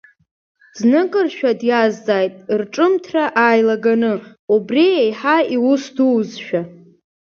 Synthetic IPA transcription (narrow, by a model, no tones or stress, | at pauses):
znɨkʼɨrʃᶣadjazːaːjtʼrʈ͡ʂʼɨmtʰraʔaːjlaɡanɨ | ubriejħaiwusduwzʃᶣa